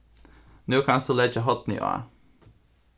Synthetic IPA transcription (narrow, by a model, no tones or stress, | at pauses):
nʉːkʰɑnsulɛd͡ʒəɦɔt̪nɪ̰o̰a̰